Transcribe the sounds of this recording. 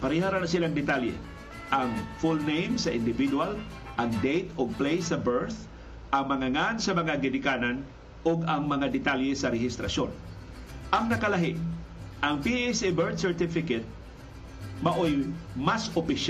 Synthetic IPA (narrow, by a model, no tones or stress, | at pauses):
pɐɾihaɾanasɪlaŋd̪ɪt̪aljɛ̰ | ʔɐŋfulnejmsɐʔɪnd̪ɪvid̪wal | ʔɐŋd̪ejt̪oɡ̚plejsɐbɛɹθ | ʔɐŋmɐŋaŋansɐmɐŋaɡɪnɪkaːnan | oɡɐŋmɐŋad̪ɛt̪aljɛsɐɾɛhɪst̪ɾɐ̰ʃjon | ʔɐŋnɐkɐlaɦɪʔɐŋpiesibɛɹt̪sɛɹt̪ɪfɪkɛt̪̚ | mɐʔojmasopɪʃ